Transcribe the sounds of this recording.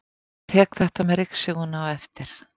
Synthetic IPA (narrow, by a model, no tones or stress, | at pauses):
t̪ʰɛːkθɛht̪amɛɾɪksʏɣʏnawɛft̪ɪɾ̥